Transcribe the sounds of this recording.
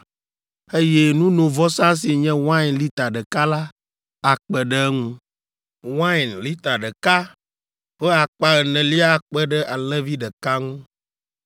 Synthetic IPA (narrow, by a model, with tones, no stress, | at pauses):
e˦jɛ˦nũ˦nõ˨vɔ˦sã˦s̬i˨ɲɛ̃˦wã˦˨nli˦t̪a˨ɖə˨ka˦la˦ | a˨k͡pɛ˨ɖə˦ŋũ˦ | wã˦˨nli˦t̪a˨ɖə˨ka˦ | ɸə˦a˨k͡pa˨ɣə˨nɛ̃˨li˦a˦˨k͡pɛ˦ɖə˦ʔa˨lɛ˦vi˦ɖə˨ka˦ŋũ˦